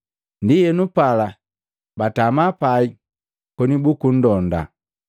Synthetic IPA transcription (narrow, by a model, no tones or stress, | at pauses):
ndijɛnupala | batamapai | kɔnibukun̩dɔnda̰